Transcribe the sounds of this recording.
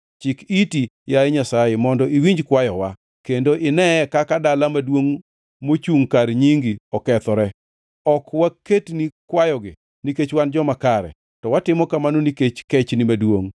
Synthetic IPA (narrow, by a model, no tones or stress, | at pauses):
t͡ʃɪkitijaɛɲasajemɔndɔiwiɲd͡ʒkwajɔwa | kendoʔɪnɛkakadalamadwoŋ | mot͡ʃuŋkaɾɲiŋɡiɔkɛt̪ɔɾɛ | ɔkwaketnikwajɔɡɪ | niket͡ʃwand͡ʒɔmakaɾɛ̰ | tɔwatɪmɔkamanoniket͡ʃkɛt͡ʃnimadwoŋ